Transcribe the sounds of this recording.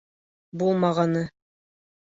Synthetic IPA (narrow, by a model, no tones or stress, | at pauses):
bulˠmɑʁɑnɤ